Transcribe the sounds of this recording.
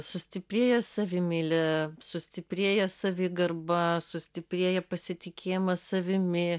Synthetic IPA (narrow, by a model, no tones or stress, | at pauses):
sʊsʲt̪ʲɪpʲɾʲeːjɛsɐʋʲɪmʲɪlʲɛsʊsʲt̪ʲɪpʲɾʲeːjɛsɐʋʲɪɡɐrbɐsʊsʲt̪ʲɪpʲɾʲeːjɛpɐsʲɪt̪ʲɪkʲʰeːjɪmɐsɐʋʲɪmʲɪ